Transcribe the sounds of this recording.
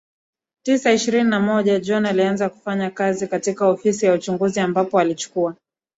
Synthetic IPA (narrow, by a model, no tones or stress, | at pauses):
tisaiʃiɾininamɔʄad͡ʒɔnalianzaku̥faɲakazikatikaɔfisijaut͡ʃuŋɡuziambapɔalit͡ʃu̥kua